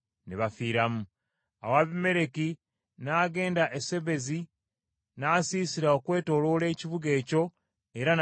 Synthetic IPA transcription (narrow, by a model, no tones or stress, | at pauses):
neβafiːɾamu | a̰waβime̞ɾe̞ki | naːɡe̞ːndaʔese̞βe̞zi | naːsiːsiɾao̞kwe̞ːto̞lo̞ːleːciβuɡe̞ːco̞ | eɾan